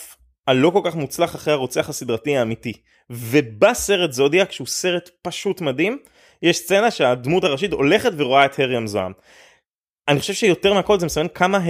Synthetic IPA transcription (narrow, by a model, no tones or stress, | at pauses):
f | alo̞ko̞lkaχmut͡slaχaχʁehaʁot͡seaχasidʁatiaːmiti | ve̞base̞ʁetzodiakʃeuse̞ʁetpaʃutmadim | jeʃst͡se̞naʃe̞admutaʁaʃito̞le̞χe̞tveʁo̞ae̞theʁiamzoa̰m | aniχoʃevʃejo̞te̞ʁmeakolzemesamenkʰamaɦ